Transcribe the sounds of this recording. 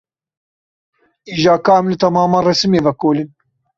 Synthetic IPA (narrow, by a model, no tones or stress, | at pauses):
iːʒaːkaːmlɨt̪ɐmaːmaːrɛsɨmeːvɛkoːlɨn